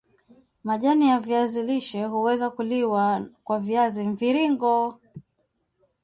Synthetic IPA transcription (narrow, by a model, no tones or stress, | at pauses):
maʄanijaviaziliʃɛɦuwɛzakuliwakwaviaziɱviɾiŋɡɔ